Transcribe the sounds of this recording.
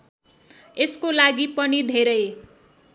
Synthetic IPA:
eskolaɡipʌnid̪ʱeɾʌj

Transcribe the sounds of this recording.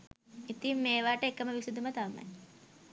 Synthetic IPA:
it̪imːeːʋaːʈəekːəməʋisud̪umɐt̪ama̰j

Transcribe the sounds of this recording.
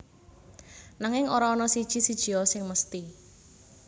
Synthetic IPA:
naŋɪŋoɾaːnɔsid̥ʒ̥i̤sid̥ʒ̥i̤ɔsɪŋməst̪i

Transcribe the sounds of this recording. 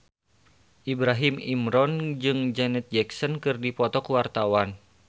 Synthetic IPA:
ʔibɾaɦimḭmɾɔnd͡ʒɨŋd͡ʒɛnɛt̪̚d͡ʒɛksənkɨrdipɔt̪ɔkuwart̪awan

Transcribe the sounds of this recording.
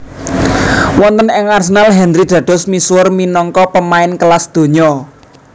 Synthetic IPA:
wɔnt̪ənɪŋarsənalɦɛndɾid̪̥ä̤d̥ɔ̤smiswʊrminɔŋkɔpəmaɪnkəlasd̪̥o̤ɲɔ

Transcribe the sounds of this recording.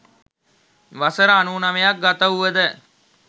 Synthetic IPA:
ʋasəɾəanuːnɐmejak̚ɡat̪əuʋəd̪ə

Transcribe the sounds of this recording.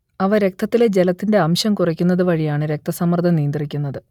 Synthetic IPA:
ɐʋɐɾe̞k̚t̪ʰːɐt̪ːiled͡ʑe̞lɐt̪ːinde̞ɐmɕɐmkurɐkʲːunːɐðɨʋɐɻijaːɳɨɾe̞k̚t̪ʰɐsɐmːɐrd̪ʱɐnijːnd̪irikʲːunːɐðɨ

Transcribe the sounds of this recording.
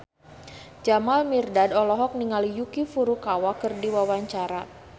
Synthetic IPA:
d͡ʒamalmirdadɔlɔɦɔk̚niŋalijukifuɾukawakərdiwawaɲt͡ʃaɾa

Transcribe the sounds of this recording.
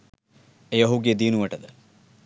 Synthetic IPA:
ejɐɦuɡed̪iːnuʋɐʈɐd̪ə

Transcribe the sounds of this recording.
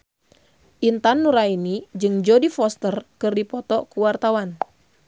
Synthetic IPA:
ʔint̪anːuɾainid͡ʒɨŋd͡ʒodifɔst̪ərkɨrdipɔt̪ɔkuwart̪awan

